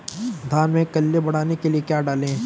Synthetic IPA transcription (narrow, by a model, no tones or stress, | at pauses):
d̪ʱaːnmẽkɐlːebɐɽ̤aːnekeliekjaːɖaːlẽː